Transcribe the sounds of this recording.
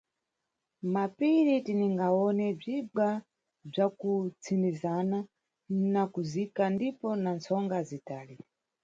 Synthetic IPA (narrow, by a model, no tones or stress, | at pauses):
mapiɾitiniŋɡaɔnɛb͡ʐiɓa | b͡ʐakut͡sʰindizana | nakuzikandipɔnant͡sʰɔŋɡazitaːli